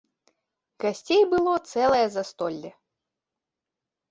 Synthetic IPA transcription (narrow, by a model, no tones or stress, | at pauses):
ɡɐsʲtʲejbɨlˠɔt̪sɛlˠɐjɛzɐst̪ɔlʲːɛ